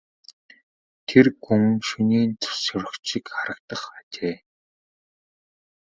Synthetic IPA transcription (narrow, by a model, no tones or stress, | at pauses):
t̪ʰerɡuŋʃuniːnt͡sʊ̥sɔɾə̆kikχaɾə̆k̚t̪ə̆χatʲeː